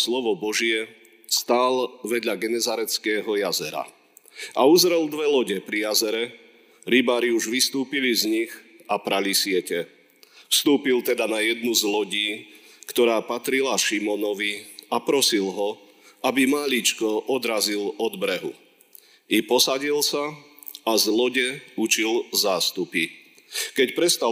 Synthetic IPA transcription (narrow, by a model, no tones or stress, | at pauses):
slɔʋɔbɔʒɪɛ | st̪aːlʋɛd̪ʎaɡɛnɛzaɾɛt͡skɛːɦɔjazɛɾa̰ | auzɾɛld̪ʋɛlɔɟɛpɾijazɛɾɛ | ɾibaːɾiuʒʋist̪uːpilizɲix | apɾalisɪɛcɛ | fst̪uːpilt̪ɛd̪anajɛd̪nuzlɔɟiː | kt̪ɔɾaːpat̪ɾilaʃimɔnɔʋiapɾɔsilɦɔ | abimaʎit͡ʃkɔʔɔd̪ɾazilɔd̪bɾɛɦṵ | ipɔsaɟilsa | azlɔɟɛut͡ʃilzaːst̪upi | kɛcpɾɛst̪a